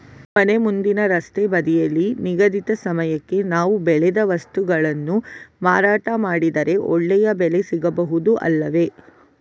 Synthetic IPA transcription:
mɐne̞mund̪inɐɾɐst̪ebɐd̪ijɐlːiniɡɐd̪it̪ɐsɐmɐjɐkːe̞naːʋubɛɭɛd̪ɐʋɐst̪uɡɐɭɐnːumaːɾaːʈɐmaːɽid̪ɐɾe̞ʔɔ̰ɭːɛjɐbɛle̞siɡɐbɐɦud̪uʔɐ̰lːɐʋe̞

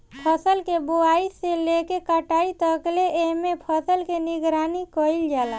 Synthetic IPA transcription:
pʰəsəlkeboaiselekekəʈait̪əkleʔemepʰəsəlkeniɡɾanikəild͡ʒaːla

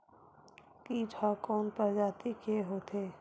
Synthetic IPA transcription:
kiːd͡ʒʰakɔːnpəɾd͡ʒaːt̪ikeɦoːt̪ʰeː

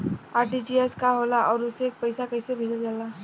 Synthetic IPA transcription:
aːɾʈid͡ʒiɛskaɦolaʔɔːɾʊseːk̚pəɪsakəɪsebʱed͡ʒəld͡ʒala

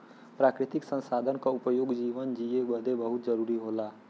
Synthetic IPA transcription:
pɾakɾit̪iksə̃nsad̪ʱənkaupəjoɡd͡ʒiʋənd͡ʒiebəd̪ʱebəɦut̪d͡ʒəɾuɾiɦola

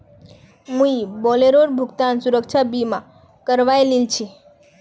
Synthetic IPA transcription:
mũibɔleɾoɾbʱʊɡt̪ansuɾəkt͡ʃʰabimã | kəɾʋajlilt͡ʃʰi

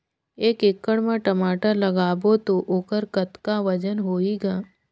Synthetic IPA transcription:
eːkɪkːəɽmãʈɐmaːʈəlɐɡaːbot̪oʔoːkəɾkət̪kaʋɐd͡ʒənɦoːiɡaː

